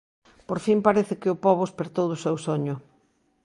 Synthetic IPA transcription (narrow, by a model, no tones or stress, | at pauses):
poɾfimpaɾeθɪkɪʊpɔβʊspeɾt̪oðʊsewsoɲʊ